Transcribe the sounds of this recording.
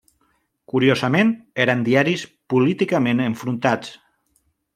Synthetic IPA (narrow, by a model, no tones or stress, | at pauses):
kuɾjozəmeneɾand̪iaɾispulit̪ikameneɱfɾunt̪at͡s